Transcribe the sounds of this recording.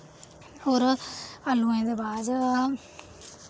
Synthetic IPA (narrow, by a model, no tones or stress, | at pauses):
oːɾəlũẽːd̪ebaːd͡ʒ